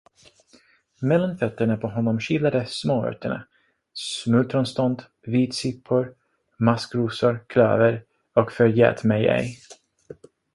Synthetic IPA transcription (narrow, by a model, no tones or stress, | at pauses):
mɛlːanfœt̪ːəɳapʰɔɦɔnːɔmɕɪlːad̪əsmoːœ̰t̪ʰəɳa̰ | smɵt̪ʰɾɔnst̪ɔnd̪ | viːt̪sɪpʰːʊɾ | maskɾuːsʊɾkʰlœ̰ːvəɾ | ɔkfœɾjɛ̰ːt̪mɛjɛ̰j